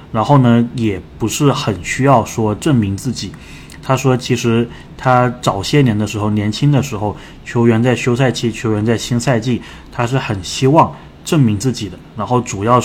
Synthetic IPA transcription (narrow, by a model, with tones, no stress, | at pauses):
ɻa˧˥nxo˥˩ʊnə˩jɛ˨˩pu˧˥ʂɻ̩˥˩xə˨˩nɕy˥jɑ˥˩ʊʂwɔ˥ʈ͡ʂə˥˩ŋmi˧˥ŋt͡sɹ̩˥˩t͡ɕi˨˩˦ | t̪ʰa˥ʂwɔ˥t͡ɕʰi˧˥ʂɻ̩˧˥ | t̪ʰa˥ʈ͡ʂɑ˨˩ʊɕjɛ˥˩njɛ˧˥nd̪ə˧ʂɻ̩˧˥xo˥˩ʊnjɛ˧˥nt͡ɕʰi˥ŋd̪ə˨ʂɻ̩˧˥xo˥˩ʊ | t͡ɕʰjo˧˥ʊɥɛ˧˥nt͡sa˥˩ɪɕjo˥ʊsa˥˧ɪt͡ɕi˥˩t͡ɕʰjo˧˥ʊɥɛ˧˥nt͡sa˥˩ɪɕi˥ŋsa˥˧ɪt͡ɕi˥˩ | t̪ʰa˥ʂ̬ɻ̩˥˩xə˨˩nɕi˥wɑ˥˩ŋ | ʈ͡ʂə˥˩ŋmi˧˥ŋt͡sɹ̩˥˩t͡ɕi˨˩d̪ə˦ɻa˧˥nxo˥˩ʊʈ͡ʂu˨˩jɑ˥˩ʊ